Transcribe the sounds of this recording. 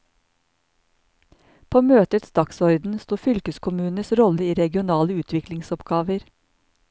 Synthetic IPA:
pʰoːmøːt̪ət̪sd̪ɑksɔɾd̪n̩st̪uːfʏlkəskʰʊmʉːnəsɾɔləiːɾɛɡɪʊnɑːləʉːt̪ʰʋɪklɪŋsɔpɡɑːʋəɾ

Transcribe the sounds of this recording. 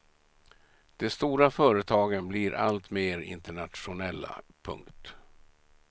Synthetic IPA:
d̪̥ɛst̪uːɾafœːɾət̪ʰɑːɡənblɪɾʔa̰lt̪meːɾɪ̰nt̪əɳat̪ɧʊnɛlːa̰pʰɵ̰ŋkt̪

